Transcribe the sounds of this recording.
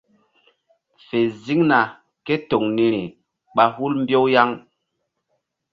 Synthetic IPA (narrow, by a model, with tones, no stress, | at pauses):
fe˨zi˦ŋna˨ | ke˦to˨ŋni˨ɾi˨ | ɓa˦hu˦lmbjo˦wja˦ŋ